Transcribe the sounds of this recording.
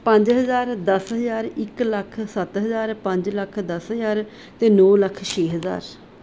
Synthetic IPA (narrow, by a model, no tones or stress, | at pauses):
pə̃ɲd͡ʒɦəzaːɾd̪əsɦəzaːɾɪkləkʰsət̪ɦəzaːɾpə̃ɲd͡ʒləkʰd̪əsɦəzaːɾ | t̪eːnɔːləkʰt͡ʃʰeːɦəza̰ːɾ